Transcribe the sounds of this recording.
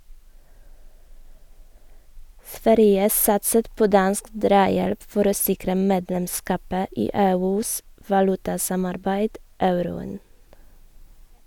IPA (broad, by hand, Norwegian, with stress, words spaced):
ˈsʋæɾjə ˈsɑtsət ˈpoː ˈdɑnsk ˈdɾɑːjɛlp ˈfɔɾ ˈoː ˈsɪkɾə ˈmeːdlɛmˌskɑːpə ˈiː ˈeːˌʉːs ʋɑˈlʉtɑˌsɑmɑɾbæɪd ˈɑʉɾʊən